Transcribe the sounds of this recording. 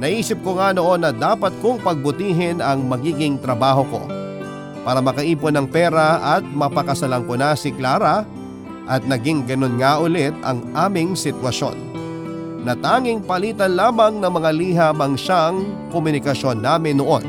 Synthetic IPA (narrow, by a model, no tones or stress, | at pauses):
nɐʔiːsɪp̚koŋano̞ʔo̞nːɐd̪aːpɐt̪̚koŋpɐɡ̚bʊt̪iːɦɪnɐŋmɐɡiːɡɪŋt̪ɾɐbaːɦo̞ko̞̰ | paːɾɐmɐkɐʔiːponɐŋpɛːɾɐʔɐt̪̚mɐpɐkɐsɐlɐŋkonasɪklaːɾɐ | ʔɐt̪̚nɐɡɪŋɡɐno̞nŋaʔʊlɛt̪̚ɐ̰ŋʔaːmɪŋsɪt̪wɐʃo̞̰nː | ɐt̪aːŋɪŋpɐliːt̪ɐnlaːmɐŋnɐŋmɐŋaliːɦɐbɐŋʃaŋkomʊnɪkɐʃo̞nːaːmɪnːoʔo̞̰n